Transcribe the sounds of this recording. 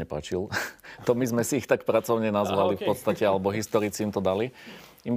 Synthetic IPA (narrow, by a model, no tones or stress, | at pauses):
ɛpa̰ːt͡ʃilt̪ɔmizmɛsiːxt̪akpɾat͡sɔʊɲɛnazʋalifpɔt̪st̪acɛalɛbɔɦist̪ɔɾit͡siːmt̪ɔd̪aliim